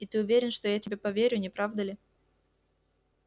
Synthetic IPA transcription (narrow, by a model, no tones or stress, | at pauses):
it̪ɨʊvʲeɾʲɪnʂt̪ojatʲɪbʲepɐvʲeɾʲʊnʲɪpɾavd̪əlʲɪ